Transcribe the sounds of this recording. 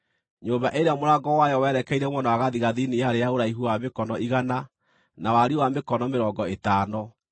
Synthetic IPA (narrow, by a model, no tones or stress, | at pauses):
ɲombaʔeɾeamoɾaɡɔwajɔwɛɾɛkɛiɾɛmwɔnawaɣaðiɣaðinijaɾejaoɾaiɦuwamekɔnɔiɣana | nawaɾiwamekɔnɔmeɾɔːɡɔetaːnɔ